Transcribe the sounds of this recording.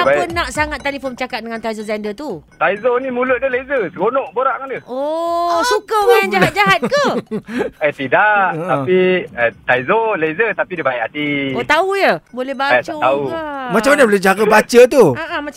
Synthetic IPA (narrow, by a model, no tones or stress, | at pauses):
aapənãʔsaŋat̪ːelifont͡ʃakat̪̚dəŋant̪aizozɛndət̪ut̪aizonĩmuləʔ̚dəlezəsəɡonɔ̃ʔboɾaʔŋadəosukəmajand͡ʒaɦat̪̚d͡ʒaɦat̪̚kə | ajt̪idaʔʔat̪apiət̪aizolezət̪apidəbajat̪iot̪aujəbolɛhbaatt͡ʃaəaumat͡ʃamanabəlɛd͡ʒaɡabat͡ʃət̪̬uaʔama